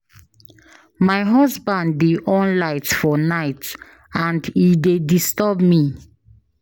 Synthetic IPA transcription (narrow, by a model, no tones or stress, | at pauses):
majɦɔsbãndːeʔɔ̃nlaɪtfɔnaɪt | ãndidedistəbmi